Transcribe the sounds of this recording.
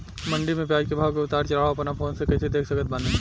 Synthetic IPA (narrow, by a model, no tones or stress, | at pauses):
mɐ̃ɳɖimẽpjaːd͡ʒkebʱaːʋkeʊt̪aːɾt͡ʃɐlaːɭaoɐpɐnapʰoːnsekɐt̪ʰed̪eːkʰsɐkət̪̚bãnd̪ẽ